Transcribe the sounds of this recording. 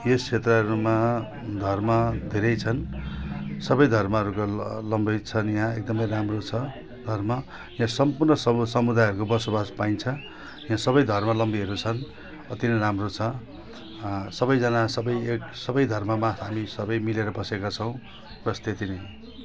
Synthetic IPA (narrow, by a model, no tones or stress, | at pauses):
jest͡sʰet̪rʌʌɾuma | d̪ʱʌrmʌd̪ʱeɾʌjt͡sʰʌn | sʌbʌjd̪ʱʌrmʌʌɾukolʌmbʌjt͡sʰʌnjãek̚d̪ʌmʌjramrot͡sʰʌ | d̪ʱʌrmʌ | jãsʌmpurnʌsʌsʌmud̪ajɦʌɾukobʌsobaspaint͡sʰʌ | jãsʌbʌjd̪ʱʌrmʌlʌmbiɦʌɾut͡sʰʌn | ʌt̪inʌramrot͡sʰʌ | sʌbʌjd͡zʌnasʌbʌjeksʌbʌjd̪ʱʌrmʌmaɦamisʌbʌjmileɾʌbʌsekat͡sʰʌw̃ | prʌst̪et̪inʌj